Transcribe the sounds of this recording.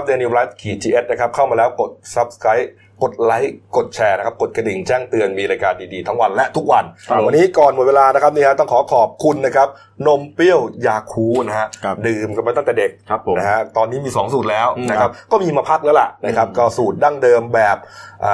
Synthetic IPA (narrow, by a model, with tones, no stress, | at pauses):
a˦p̚deː˧ni˧la˦˥kʰiː˨˩t͡ɕiː˧ʔe˦˥t̪̚na˥˩kʰp̚kʰa˥˩wmaː˧lɛː˦˥wko˨˩t̪̚sa˦˥p̚skʰɾa˦˥j | ko˨˩t̪̚la˦˥jko˨˩t̪̚t͡ɕʰɛː˧na˦kʰa˦˥p̚ko˨˩t̪̚ka˧di˨˩ŋt͡ɕɛː˥˩ŋt̪ɯ˧ənmiː˧ɾaː˧jkaː˧ndiː˧diː˧t̪ʰa˦˥ŋwa˧nlɛ˦˥ʔt̪ʰu˦˥k̚wa˧nwa˧nːiː˦˥kɔː˨˩nm˨˩nweː˧laː˧na˦˥kʰa˦˥p̚niː˥˩kʰa˦˥t̪ɔ˥˩ŋkʰɔː˩˦kʰɔː˨˩p̚kʰu˧nːa˦˥kʰa˦˥p̚ | no˧mpi˥˩əwjaː˧˩kʰuː˦˥na˦˥ɦa˦˥˧dɯː˨˩mkpa˧jt̪a˥˩ŋt̪ɛː˨˩de˨˩k̚ʰna˦ɦa˦˥t̪ɔː˧nːiː˦˥miː˧sɔː˩˦ŋsuː˨˩t̪̚lɛː˦˥wna˦˥kʰa˦˥p̚kɔː˥˩miː˧maː˧pʰa˦˥˩k̚lɛː˦˥la̰˨˩ʔna˦˥kʰa˦˥p̚ka˧wsuː˨˩t̪̚da˥˩ŋdɤː˧mbɛː˨˩p̚ʔaː˨˩